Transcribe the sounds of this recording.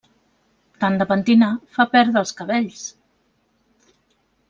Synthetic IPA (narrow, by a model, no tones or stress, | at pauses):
t̪and̪əpənt̪inafapɛɾðəːlˠskəβɛʎs